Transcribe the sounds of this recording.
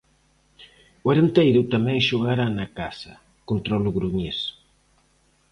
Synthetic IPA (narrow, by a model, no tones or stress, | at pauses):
ʊeɾent̪ejɾʊt̪amɛ̃ŋʃoɣaɾanakasɐ | kont̪ɾɔlʊɣɾuɲes